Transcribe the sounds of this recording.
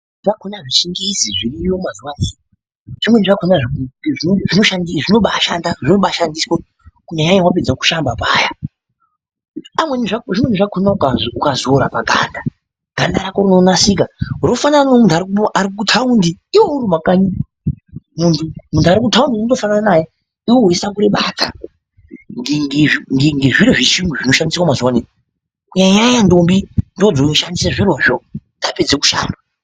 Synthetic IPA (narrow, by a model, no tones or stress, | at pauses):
ʐakʰonaʐiʃiŋɡiziʐirijomazuwaneːni | ʐ̥imweniʐakʰonaʐiʐiʐino̞ʃandiʐinoɓaʃandaʐinoɓaʃandiswa | kuɲaɲaɲewap̬id͡zaku̥ʃambapaːja | amweniʐakʐimweniʐakʰonaukaukazoɾapaɡʱa̰nda | ɡ̥ʱandaɾakoɾinonasik̬auɾofanananomuntuaɾikuʔaɾik̬utʰaundiiweuɾumakaɲi | muntumuntʰuaɾikutʰaundinodofanananaja | iwoɦesakuɾeɓatʰa̰ | ŋeŋeiŋɡeŋɡeʐiɾoʐiʃiŋɡuʐino̞ʃandiskwamazuwanen | kuɲaɲajandombindod͡zonoʃandisaʐiroʐondaped͡zeku̥ʃa̰ːnda